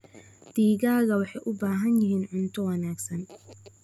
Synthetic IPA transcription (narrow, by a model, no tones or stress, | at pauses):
d̪̥iːɣaːɣɐwɑħɑjʔʊbaːɦɐnjɪɦiːnʕʊnt̪ʰɔwɑnaːɡsɐn